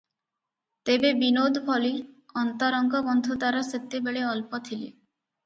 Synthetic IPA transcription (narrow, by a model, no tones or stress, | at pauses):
t̪ebebinod̪ʱbʰɔliɔnt̪ɔɾɔŋɡʱɔbɔnd̪ʱut̪aɾɔset̪ːebeɭeɔlpɔt̪ʰilḛ